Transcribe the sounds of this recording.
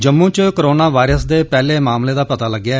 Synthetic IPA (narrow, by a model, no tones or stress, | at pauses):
d͡ʒəmːũːt͡ʃkəɾoːnaːʋaːɪɾəsd̪eːpɛːleːmaːmleːd̪aːpət̪aːləɡːjaː